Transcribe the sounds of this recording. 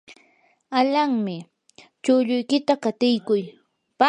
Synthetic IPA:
aʎaŋmɪ | t͡ʃʊʎʊjkɪt̪akat̪ɪjkʊj | pa

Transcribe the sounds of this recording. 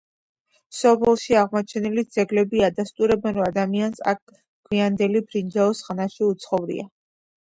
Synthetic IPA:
sɔpʰɛlˠʃiaʁmɔt͡ʃʰɛnilid̪z̥ɛɡlɛbiad̪ast̪ʼuɾɛbɛnɾɔad̪amiansa̰k̚ʰ | ɡ̥ʰwiand̪ɛlibʰɾind͡ʒaɔsχnaʃiut̪sʰχɔvɾḭa

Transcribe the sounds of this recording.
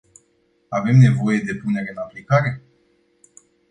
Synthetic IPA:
ave̞mne̞vo̞je̞d̪e̞pune̞ɾe̞ɨnaplikaɾe̞

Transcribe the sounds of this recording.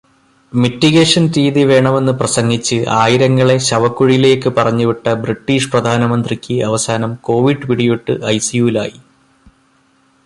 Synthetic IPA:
miʈːiɣeːʂɐnɾiːðiʋe̞ːɳɐme̞nːɨprɐsɐŋɡit͡ɕːɨʔaːjiɾɐŋːɐɭe̞ɕɐʋɐkːuɻijile̞ːkːɨpɐrɐɲːuʋiʈːɐbriʈːiːʂprɐd̪ʱaːnɐmɐnd̪rikʲːɨɐʋɐsaːnɐmko̞ːʋiɖɨʋiɽijiʈːɨʔɐjsijuːla̰ːji

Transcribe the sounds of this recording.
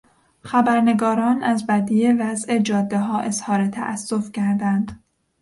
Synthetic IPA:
xæbæɾne̞ɡɒːɾɒːnæzbæd̪ijevæze̞d͡ʒɒːd̪ːeɦɒːʔezhɒːɾe̞t̪ʰæ̰ʔæ̰sːofcʰæɾd̪ænd̪̥

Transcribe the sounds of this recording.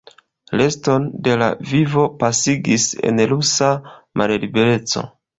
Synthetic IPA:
le̞sto̞nde̞la̰vivo̞pasiɡisḛnlusamʔallibe̞ɾe̞t͡so̞̰

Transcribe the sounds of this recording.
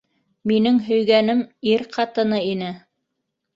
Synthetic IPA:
minɘŋɦɵ̆jɡænɘmiɾqʰɑt̪ɤ̆nɤinɘ

